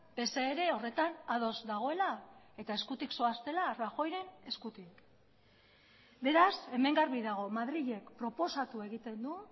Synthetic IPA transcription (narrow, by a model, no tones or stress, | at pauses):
b̥e̞seːɾe̞o̞re̞t̪anað̞o̞zd̪aɣ̞o̞e̞la | e̞t̪ae̞skut̪iksoast̪e̞laraxo̞jɾe̞ne̞skut̪ik | be̞ɾase̞me̞ŋɡaɾβiðaɣ̞o̞maðɾiʎe̞kpɾo̞po̞sat̪ue̞ɣ̞it̪e̞nd̪u